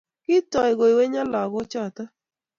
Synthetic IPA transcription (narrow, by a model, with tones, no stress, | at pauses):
kɪ˦tɔ˨ɪ˨ɡo˨i˨we˦ɲa˦la˨ɡʊ˦t͡ʃɔ˦˨ta˦